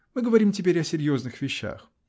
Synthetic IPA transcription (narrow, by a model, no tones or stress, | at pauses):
mɨɡəvɐɾʲimtʲɪpʲeɾʲɐsʲɪɾʲjo̞znɨxvʲɪɕːa̰x